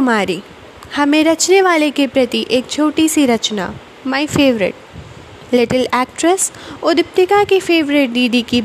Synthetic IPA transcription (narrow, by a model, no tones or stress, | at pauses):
maːɾiː | hɐmẽɾɐt͡ʃneʋaːlekepɾɐt̪iʔeːk̚t͡ʃʰoːʈisiɾɐt͡ʃna̰ | maːɪfeːʋɾɪ̰ʈ̚ | lɪʈəlɛːk̚ʈɾəsʊd̪ɪp̚t̪ɪkakifeːʋɾɪʈ̚d̪iːd̪iki